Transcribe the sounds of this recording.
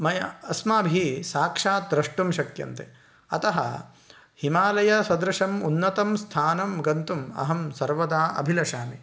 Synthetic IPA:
mɐjɐɐsmaːbʱisaːkʂaːt̪ɾɐʂʈumʃɐkjɐ̰nt̪e | ɐ̰t̪ɐɦɐ̰ | himaːlɐjɐsɐd̪ɾɐʂɐmunːɐt̪ɐmst̪ʰaːnɐmɡɐnt̪umɐ̰ɦɐmsɐɾʋɐd̪aːʔɐ̰bʱilɐʃaːni

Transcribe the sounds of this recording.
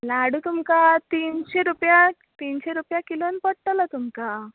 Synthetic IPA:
laɽut̪umkat̪inɕeɾupja | t̪inɕeɾupjakilonpəɽʈəlat̪umka

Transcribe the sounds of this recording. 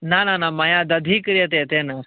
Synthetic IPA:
nananamɐjaːd̪ɐd̪ʱikɾjɐt̪et̪eːnɐ

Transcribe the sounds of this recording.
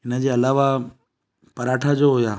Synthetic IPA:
ɦɪnə̆d͡ʑeːɐlaːʋa | pɐɾaːʈʰad͡ʑoɦʊjaː

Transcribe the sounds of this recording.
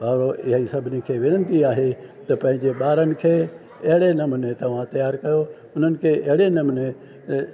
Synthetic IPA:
bʱaːɾoʔɪɦisɐbʱɪnekʰeːʋɪnənd̪iaːɦet̪ɐpɐ̃ɦɪ̃ɲd͡ʑeɓaːɾənɪ̆kʰeː | ɐɦɪɽenɐmʊnet̪ɐʋ̤ãt̪ɐjaːɾkɐjo | ʊn̤ənɪ̆kʰeːʔɐɦɪɽenɐmne

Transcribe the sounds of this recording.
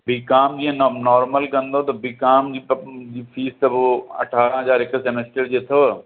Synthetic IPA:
bikaːmd͡ʒiɦɛ̃nnɔːɾməlkɐ̃nd̪ot̪ɐbikaːmd͡ʒid͡ʒipʰiːst̪ɐbɐ̰ʈʰaːɾə̃ɦɐzaːɾɪksemesʈəɾd͡ʒet̪ʰo

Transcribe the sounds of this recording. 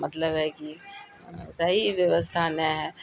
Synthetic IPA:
mɐt̪ləbɦɛki | sɐɦiʋjəʋəst̪ʰanɛɦɛ

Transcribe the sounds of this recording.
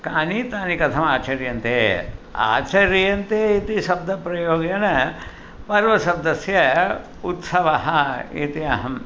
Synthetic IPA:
kaːnit̪aːnikɐt̪ʰɐmaːt͡ʃɐɾjɐnt̪eːa̰ːt͡ʃɐɾjɐnt̪eːit̪iʃɐb̚d̪ʱɐpɾɐjoːɡjɐnɐ | pɐɾʋɐsɐb̚d̪ɐsjɐ | ut̪sɐʋɐɦɐḭt̪iɐ̰ɦɐm

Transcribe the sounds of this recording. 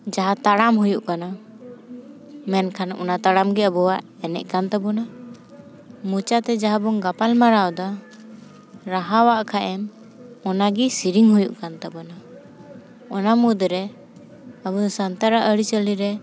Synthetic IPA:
d͡ʒaɦat̪aɽamɦujuʔkana | mɛnkʰanɔ̰nat̪aɽamɡɛəbɔwaʔ | ɛnɛ̰ʔ̚kant̪abɔna | mut͡ʃat̪ɛd͡ʒaɦabɔŋɡapalmaɾawd̪ɔ | ɾaɦawaʔkʰaʔɛm | ɔnaɡisiɾiŋɦujuʔkant̪abɔna | ɔnamud̪ɾɛ | əbɔd̪ɔsant̪aɾaʔəɽit͡ʃəliɾɛ

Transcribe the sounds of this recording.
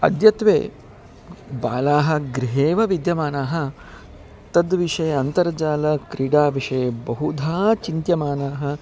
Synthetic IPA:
ɐ̰d̪jɐt̪ʋḛː | baːlaːɦɐ̆ɡɾiɦeːʋɐʋid̪jɐmaːnaːɦɐ̆ | t̪ɐd̪ʋiʂɐjɐɐnt̪ɐɾɐd͡ʒaːlɐkɾiɖaːʋiʂɐjɐbɐɦud̪ʱaːt͡ʃint̪jɐmaːnaːɦɐ

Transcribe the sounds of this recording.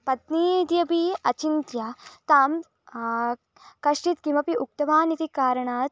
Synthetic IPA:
pɐt̪niːd̪jɐbiɐt͡ʃint̪jɐt̪aːm | kɐʂʈit̪kimɐpiuk̚t̪ɐmaːnit̪ikaːɾɐɳaː

